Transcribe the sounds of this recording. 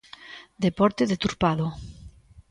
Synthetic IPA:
d̪epɔɾt̪eðet̪uɾpaðo

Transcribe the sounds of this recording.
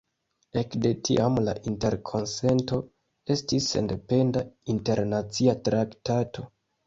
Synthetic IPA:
e̞kde̞tʰḭʔamla̰ʔinte̞ɾkʰo̞nse̞nto̞ | e̞stisːe̞̰nde̞pe̞ndainte̞ɾnat͡siatɾaktato̞

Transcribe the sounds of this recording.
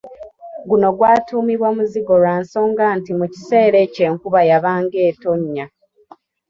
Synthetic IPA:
ɡuno̞ɡwaːtuːmiβwamuziɡo̞ɾaːnso̞ːŋɡaːntimuci̥se̞ːɾe̞ːce̞ːŋkuβajaβaːŋɡe̞ːto̞ɲːa

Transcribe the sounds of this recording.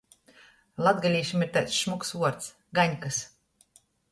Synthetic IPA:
lˠad̪ɡalʲiːʃimiɾt̪aːt̪sʃmuksuɔɾt̪s | ɡaɲʲkas

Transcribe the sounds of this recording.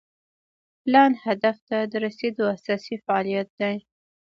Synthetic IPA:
plɑnhad̪aft̪ad̪əɾased̪oasɑsifaɑlijat̪̚d̪aj

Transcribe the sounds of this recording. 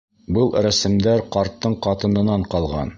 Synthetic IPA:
bɤlˠɾæsɘ̆md̪æɾqɑɾt̪ːɤɴqɑt̪ɤ̆nɤ̆nɑɴqɑlˠʁɑ̰n

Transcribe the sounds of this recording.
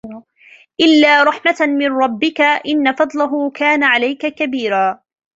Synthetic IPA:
ʔɪlːaːɾˤɑħmatmɪnɾˤɑbːɪkaʔɪnːafɑd̪ˤlaɦʊkaːnaʕalajkakabiːɾaː

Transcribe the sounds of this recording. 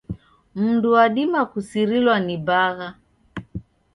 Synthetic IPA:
m̩nduwaɗimakusiɾilwanibaɣa

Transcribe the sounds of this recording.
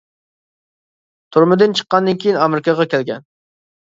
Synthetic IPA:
t̪ʰuɾmɨd̪ɨnt͡ʃʰə̥qːɑnd̪ɨnkʲʰejinɑmɪɾɪkʰɑʁɑkʲælɡʲɛ̰n

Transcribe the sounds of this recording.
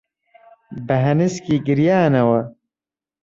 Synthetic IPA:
bɐɦɐniskiɡiɾjaːnɐwɐ

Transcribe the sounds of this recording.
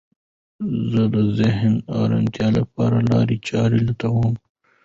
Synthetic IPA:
zəd̪əzɪɦnaːɾa̰nt̪jɑːlɐpɑːɾalɑːɾit͡ʃɑːɾilɐt̪awoːm

